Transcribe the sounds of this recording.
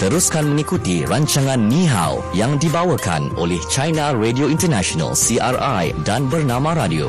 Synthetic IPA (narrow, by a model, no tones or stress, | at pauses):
t̪əɾuskanmə̃ŋikut̪iraɲt͡ʃaŋãnːĩɦa̰wjaŋdibawəka̰no̰lɛht͡ʃajnãredioint̪ərnãʃona̰lsiʔarajdanbərnãmãɾadio̰